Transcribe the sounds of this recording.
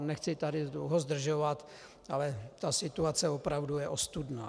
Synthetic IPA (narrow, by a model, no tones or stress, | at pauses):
nɛxt͡sɪt̪adɪdlowɦozd̪r̩ʒovat̪ | alɛt̪asɪt̪uat͡sɛvopɾavdujɛʔost̪udna̰ː